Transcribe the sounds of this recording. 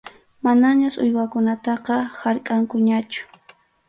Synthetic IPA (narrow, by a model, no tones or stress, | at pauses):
manaɲasʊjwakʊnat̪ɑqɑhaɾkʼaŋkʊɲat͡ʃʊ̥